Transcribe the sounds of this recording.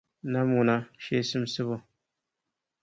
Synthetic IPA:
na˦m˦ŋʊ˨na˦ʃe˦sɨ˦msɨ˦βʊ˦

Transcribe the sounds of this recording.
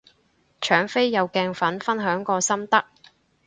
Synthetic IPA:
t͡ʃʰœː˨˥ŋfe˥jːɐ˨˧wkɛː˧ŋfɐ˨˥nfɐ˥nɦœː˨˥ŋkɔː˧sɐ˥mt̪ɐ˥k̚

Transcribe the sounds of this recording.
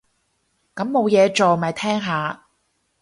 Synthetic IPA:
kɐ˨˥mːo˨˧wjɛː˨˧t͡ʃo˨wmɐː˨jt̪ʰɛː˥ŋɦaː˨˧

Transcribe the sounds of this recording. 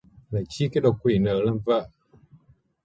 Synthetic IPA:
la˨˩t͡ɕi˧˦ka˨˦˥ɗo˨˩kːwi˨˩nəː˨˩˦lə˧mvə̰˧˨

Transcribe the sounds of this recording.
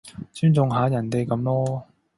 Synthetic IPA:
t͡syː˥nt͡sʊ˨ŋɦaː˨˥jɐ˨˩nt̪e˨jkɐ˨˧˥mlɔː˥

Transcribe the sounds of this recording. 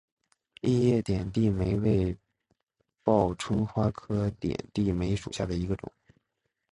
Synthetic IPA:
i˥˧jɛ˥˩t̪jɛ˨˩nt̪i˥˩me˧˥ɪwe˥˧ɪ | pɑ˥˩ʊʈ͡ʂʰwə˥ŋxwa˥kʰɤ˥t̪jɛ̰˨˩nt̪i˥˩me˧˥ɪʂṵ˨˩ɕja˥˩d̪ə˩i˧˥ɡə˧ʈ͡ʂʊ̰˨˩˦

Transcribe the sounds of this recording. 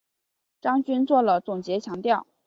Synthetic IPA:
ʈ͡ʂɑ˥ŋt͡ɕy˥nt͡swɔ˥˩lə˩t͡sʊ˨˩ŋt͡ɕjɛ˧˥t͡ɕʰjɑ˧˥ŋt̪jɑ˥˩ʊ

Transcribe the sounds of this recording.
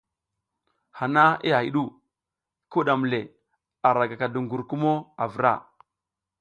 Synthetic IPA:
ha˨na˦ḭ˦a˨i˨ɗu˦ | ku˦ɗa˨m˨le˨ | a˨ɾa˨ɡa˨ka˨du˨ŋɡu˨ɾku˦mo˦a˨vɾa̰˦˨

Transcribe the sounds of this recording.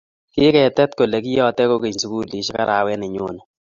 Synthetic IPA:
kɪ˦kɛ˨tɛ˦tko˨le˨k̬i˦jɔ˦tɛ˦ko˦ke˨ɲsu˨ku˦li˨˦ʃi˦ka̰˦ɾʔa˨wɛ˦nɪ˨ɲo˦nɛ˨

